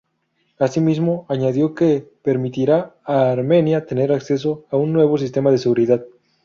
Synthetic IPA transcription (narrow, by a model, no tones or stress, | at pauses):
asimizmo̞aɲaðjo̞ke̞pe̞ɾmit̪iɾaːɾme̞njat̪e̞ne̞ɾakse̞s̬o̞aunːwe̞βo̞s̬ist̪e̞mað̞e̞se̞ɣuɾiðað